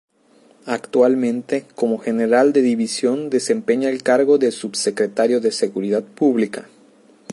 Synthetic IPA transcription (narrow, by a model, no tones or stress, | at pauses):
akt̪walmẽ̞nt̪e̞ko̞mo̞xe̞ne̞ɾald̪e̞ðiβisjo̞nd̪e̞se̞mpe̞ɲaelkaɾɣo̞ðelsubsekɾet̪aɾjo̞ðe̞se̞ɣuɾiðaðpuβlika